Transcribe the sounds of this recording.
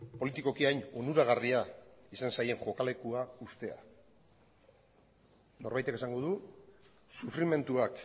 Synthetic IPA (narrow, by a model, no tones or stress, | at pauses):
po̞lit̪iko̞kiajno̞nuɾaɣariaisansaje̞ŋʝo̞kale̞kuaust̪e̞a̰ | no̞ɾβajt̪eke̞saŋɡo̞ð̞u | sufɾime̞nt̪uak